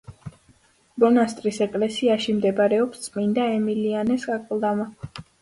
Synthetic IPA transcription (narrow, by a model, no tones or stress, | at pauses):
bɔnast̪ʼɾisɛkʼlɛsiaʃimd̪ɛbɾɛɔpst̪sʼmind̪aɛmilianɛskʼakʼlˠd̪ama